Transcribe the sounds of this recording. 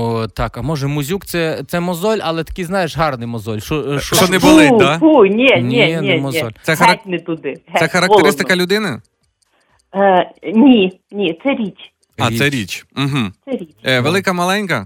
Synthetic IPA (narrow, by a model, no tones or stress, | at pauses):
t̪ɑkɐmɔʒɛmʊzʲukt̪sɛt̪sɛmɔzɔlʲɐlˠɛt̪ɐ̥kʲijznɑjeʃɦɑrnɪjmɔzɔlʲʃɔʃɔɔnɛbʊlˠɪd̪apunʲinʲinʲmɔzɔlʲsɛɦɐɾtʲnɪt̪ʊd̪ɪɦ̪ɛxɐɾɐkt̪eɾɾɪst̪ɪkɐlʲʊd̪ɪnɪ | nʲi | nʲit̪sɛɾʲit͡ʃʲ | ɑsɛɾʲit͡ʃm̩ɦ̩̪sɛɾʲit͡ʃʋelˠɪkɐmɐlˠɛnʲkɐ